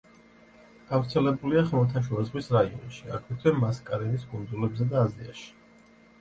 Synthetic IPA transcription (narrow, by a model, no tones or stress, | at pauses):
ɡ̥avɾt̪sʰɛlɛbuliaχɛmɔt̪ʰanʃuazʁwisɾaiɔ̰nʃia̰kʰwɛt̪ʰvɛmaskʼaɾɛnisɡʼund̪zulɛbzɛd̪aːzia̰ʃi̥